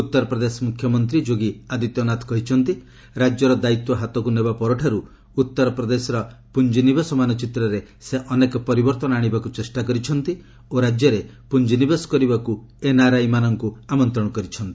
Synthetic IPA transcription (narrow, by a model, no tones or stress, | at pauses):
ut̪ːɔɾɔpɾɔd̪esɔmukʰjɔmɔnt̪ɾid͡ʒoɡiad̪it̪jɔnat̪kɔɦit͡ʃʰɔnt̪i | ɾad͡ʒjɔɾɔd̪ait̪wɔɦat̪ɔkunebapɔɾɔʈʰaɾu | ut̪ːɔɾɔpɾɔd̪esɔɾɔpund͡ʒinibesɔmanɔt͡ʃit̪ɾɔɾe | seʔɔnekɔpɔɾibɔɾt̪ɔnɔaɽ̃ibakut͡ʃesʈakɔɾit͡ʃʰɔnt̪i | oɾad͡ʒjɔɾe | pund͡ʒinibesɔ̥kɔɾibaku | enaɾajmanɔŋkuamɔnt̪ɾɔɽ̃ɔkɔɾit͡ʃʰɔnt̪i̥